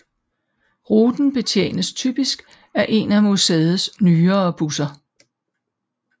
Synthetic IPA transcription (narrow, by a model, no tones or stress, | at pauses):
ʁuːd̥n̩b̥e̝t͡sʰjḛːnəst͡sʰyb̥isɡ̥ | æʔe̝næmoseð̩ˠsnyːɐːb̥usɐ